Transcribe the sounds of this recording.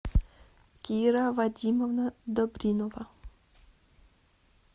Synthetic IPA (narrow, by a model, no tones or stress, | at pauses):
kʲiɾavadʲimɔvnad̪ɔbɾʲinɔva